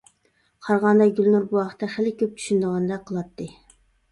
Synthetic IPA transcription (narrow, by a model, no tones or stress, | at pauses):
qʰɑɾʁɑnd̪ɑɡʲylnuɾbuwɑqə̥t̪ːɛχɪlɪkʲʰøp̚t͡ʃ̪ʰy̥ʃynd̪əʁɑnd̪ɑqʰəlˠɑt̪ʰːɨ